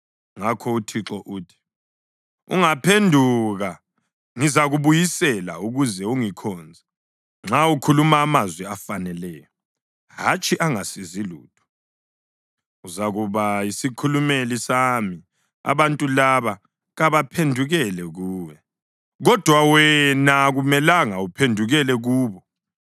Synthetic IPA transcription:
ŋakʰɔutʰiǁɔʔuːtʰi̥ | ṵŋapʰendʱuɣa | ŋizaɣuβujisɛla̰uɣuzɛuŋikʰɔnd͡zʱa | ŋ͡ǁaukʰulumaːmazwɛafanɛlɛːjɔ | hat͡ʃʼiʔaŋasiziluːd̥ʰʱʼɔ̥ | uzaɣuβaisikʰulumelisami | a̰βantʼulaβa | ɣaβapʰendʱuɣɛlɛɣuːwɛ | ɣɔd̥ʱwawɛnaɣumɛlaŋaupʰendʱuɣɛlɛɣuːβɔ

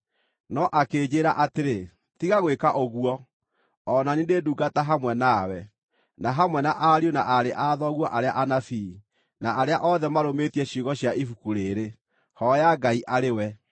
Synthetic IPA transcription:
nɔʔakeːd͡ʑeːɾaʔateɾe | tiɣaɣwekaʔoɣwɔ | ɔnanindeduːɡataɦamwɛnawɛ | naɦamwɛnaʔaɾionaʔaɾeʔaðɔɣwɔʔaɾeaʔanafi | naʔːɾeaʔɔðɛmaɾometiɛɕiɣɔɕjaʔifukuɾeɾe | hɔjaɡaiʔaɾewɛ

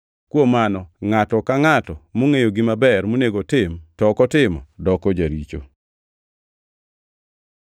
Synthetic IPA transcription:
kwomanɔŋatɔkaŋatɔmoŋejoɡɪmabɛrmoneɡotɪmtɔkɔtɪmɔ̰dɔkɔd͡ʒaɾit͡ʃo̰

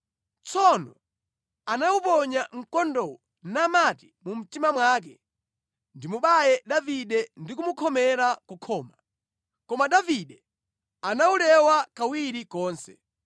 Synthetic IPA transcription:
t͡sɔnɔ̰ | anaupɔɲaŋ̩kɔndɔwɔ | namati̥mum̩timamwaːk̬ɛ | ndimuɓajɛɗaviɗɛndikumukʰɔmɛɾakukʰɔːma | kɔmaɗaviɗɛ | anaulɛwakawiɾikɔːnsɛ̥

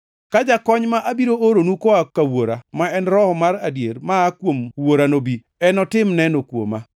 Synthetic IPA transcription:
kad͡ʒakɔɲmaʔabiɾoʔoɾonukɔakawoɾamaɛnɾɔhɔmaɾadjeɾmaːkwomwoɾanobi | ɛnɔtɪmnɛnokwo̰ma

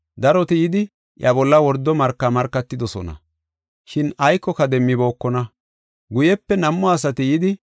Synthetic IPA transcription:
d̪ɐɾɔt̪ɪjɪd̪ɪ | ʔjɐbɔlːɐwɔɾd̪ːɔmɐɾkːamɐɾkːɐt̪ːɪd̪ɔsɔ̰nɐ̰ | ʃɪnɐjkːɔkɐd̪ɛmːɪbo̞ːkːɔnɐ | ɡʊjɛpːɛnɐmːɔɐs̬ɐt̪ɪjɪd̪ɪ

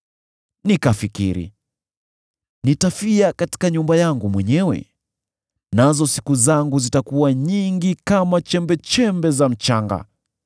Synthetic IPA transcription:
nikafikḭɾḭ | nitafiakati̥kaɲumbajaŋɡumwɛɲɛwɛ̰ | nazɔsi̥kuzaŋɡuzitakuwaɲiŋɡikamat͡ʃɛmbɛt͡ʃɛmbɛzam̩t͡ʃaŋɡa̰

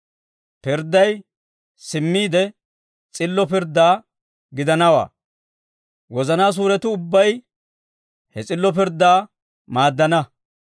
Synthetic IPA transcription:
pɪɾd̪ːɐj | sɪmːiːd̪ɛ | t͡sʼɪlːɔpɪɾd̪ːaː | ɡɪd̪ɐnɐwa̰ː | wɔzɐnaːs̬uːɾɛt̪ʊʊbːɐj | hɛt͡sʼɪlːɔpɪɾd̪ːaː | maːd̪ːɐnɐ

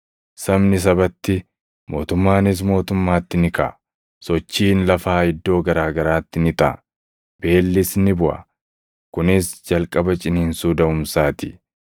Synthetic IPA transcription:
sɐmnɪs̬ɐbɐt̪ːɪ | mo̞ːt̪ʊmːaːnɪs̬mo̞ːt̪ʊmːaːt̪ːɪnɪkɐ̰ | sɔt͡ʃːiːnlɐfaːɪd̪ːo̞ːɡɐɾaːɡɐɾaːt̪ːɪnɪt̪ɐʔ | b̥e̞ːlːɪsnɪbʊʔɐ̰ | kʊnɪsd͡ʒɐlkʼɐbɐt͡ʃʼɪneːnsuːd̪ɐʊmsaːt̪ɪ

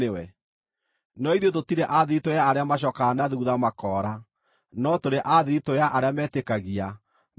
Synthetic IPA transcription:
ewɛ | nɔiðototiɾɛʔaðeɾitojaːɾeamaɕ̬ɔkaːnaðuðamakɔɾa | nɔtoɾeʔaðiɾitojaʔaɾeamɛːtekaɣia

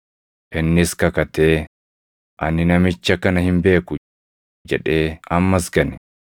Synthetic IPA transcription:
ʔɪnːɪskɐkɐt̪eː | ʔɐnːɪnɐmɪt͡ʃːɐkɐnɐhɪmbe̞ːkʊ | d͡ʒɛᶑe̞ːɐmːɐsɡɐnɪ̥

